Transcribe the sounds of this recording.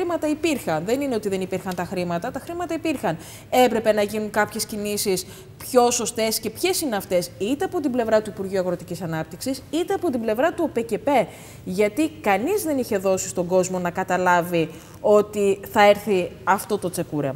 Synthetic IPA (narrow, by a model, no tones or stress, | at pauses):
imɐt̪ɐipiɾxɐnðe̞nineo̞t̪iðe̞nipiɾxɐnt̪ɐxɾimɐt̪ɐt̪ɐxɾimɐt̪ɐipiɾxɐn | e̞pɾe̞pe̞nɐʝinuŋkɐpçe̞scinisis | pço̞so̞st̪e̞sce̞pçe̞sineɐft̪e̞sit̪e̞ɐpo̞t̪imble̞vɾɐt̪uipuɾʝiuɐɣɾo̞t̪icisɐnɐp̚t̪iksisit̪e̞ɐpo̞t̪̬ible̞vɾɐt̪uope̞ce̞pe̞ | ʝɐt̪ikɐnizðe̞niçe̞ðo̞si̥st̪o̞ŋɡo̞zmo̞nɐkɐt̪ɐlɐvi | o̞t̪iθɐe̞ɾθiɐft̪o̞t̪o̞t͡se̞kuɾe